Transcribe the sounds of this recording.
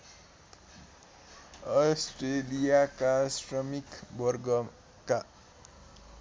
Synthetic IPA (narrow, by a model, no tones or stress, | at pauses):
ʌsʈrelijakasrʌmikbʌrɡʌ | ka